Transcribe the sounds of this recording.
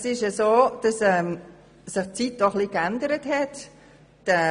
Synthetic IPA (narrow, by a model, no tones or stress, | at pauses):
ɛsɪʃəsoːd̥ɑsɛm | sɪχt͡siːt̚d̥ɔχliːkɛndəɾətɦɛt | ɛ